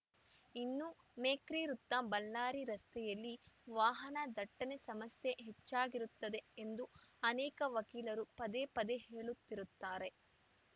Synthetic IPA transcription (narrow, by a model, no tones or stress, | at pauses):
inːu | meːkɾiːɾut̪ːabɐlːaːɾiɾɐst̪ɛjɐlːiʋaːɦɐnɐd̪ɐʈːɐnesɐmɐsjeɦet͡ʃːaːɡiɾut̪ːɐd̪e̞end̪uɐnɛːkɐʋɐkiːlɐɾupɐd̪epɐd̪eɦe̞ːɭut̪ːiɾut̪ːaːɾe̞